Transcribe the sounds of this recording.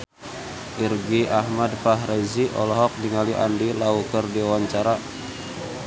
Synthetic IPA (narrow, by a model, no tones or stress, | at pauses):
ʔirɡiahmadpaɦreziʔɔlɔɦɔk̚diŋaliʔa̰ndilaukərdiawaɲt͡ʃaɾa